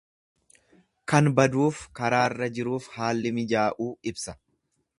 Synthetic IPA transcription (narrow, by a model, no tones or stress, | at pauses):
kɐnbɐd̪uːfkɐɾaːɪrːɐd͡ʒɪɾuːfhaːlːɪmɪd͡ʒaːʔuːɪbsɐ̥